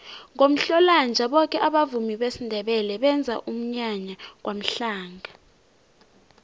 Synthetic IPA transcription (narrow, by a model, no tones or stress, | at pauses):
ŋom̩ɬɔland͡ʒʱaɓɔkʼɛʔaɓavumiɓesindʱɛɓɛlɛɓɛnd͡zʱa̰ʔum̩ɲaɲak̬wam̩ɬaːŋa